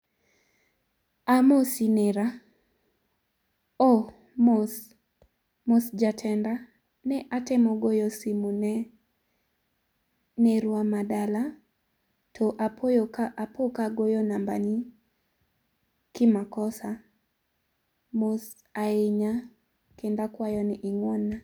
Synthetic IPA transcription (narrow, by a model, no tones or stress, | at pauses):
amosinɛɾa | o | ms | mosd͡ʒatʰɛnda | nɛʔatɛmɔɡojɔsɪmunɛ | nɛɾwamadala | tʰɔʔapojkaʔapokaɡojɔnamba̰ni | kɪmakɔsa | mos | aeɲa | kendakwajɔnɪʔɪŋwɔnːa